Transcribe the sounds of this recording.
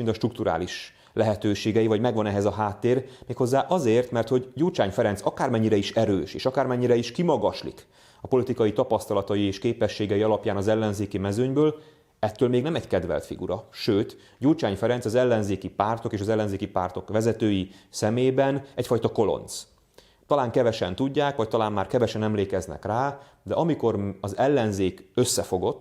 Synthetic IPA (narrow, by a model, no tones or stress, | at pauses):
ind̪ɒʃt̪ruk̚t̪uɾa̰ːliʃ | lɛɦɛt̪øːʃeːɡɛjivɒɟmɛɡʋɒnɛɦɛzɒɦaːt̪ːeːrmeːkho̞zːaːʔɒzeːrt̪mɛrt̪ho̞ɟɟuːlt͡ʃaːɲfɛɾɛnsɒkaːrmɛɲːiɾɛiʃɛɾøːʃḛːʃɒkaːrmɛɲːiɾɛiʃkimɒɡɒʃlḭk | ɒpo̞lit̪ikɒjit̪ɒpɒst̪ɒlɒt̪ɒjieːʃkeːpɛʃːeːɡɛjiɒlɒpjaːnɒzɛlːɛnzeːkimɛzøɲbøːl | ɛt̪ːøːlmeːɡnɛmɛckɛd̪ʋɛ̰lt̪fḭɡṵɾɒʃøːt̪ | ɟult͡ʃaːɲfɛɾɛnsɒzɛlːɛnzeːkipaːrt̪o̞keːʃɒzɛlːɛnzeːkipaːrt̪o̞kʋɛzɛt̪øːjisɛmeːbɛnɛcfɒjt̪ɒko̞lo̞̰nt̪s | t̪ɒlaːŋkɛvɛʃɛnt̪uɟːaːkʋɒc̚t̪ɒlaːmːaːrkɛvɛʃɛnɛmleːkɛznɛ̰kraː | d̪ɛʔɒmiko̞rɒzɛlːɛnzeːkø̞sːɛfo̞ɡo̞t̪ː